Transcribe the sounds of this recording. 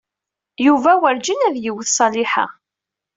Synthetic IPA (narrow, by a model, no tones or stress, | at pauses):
juvæwəɾd͡ʒinæðjiwəθsˤɑlɪħa̰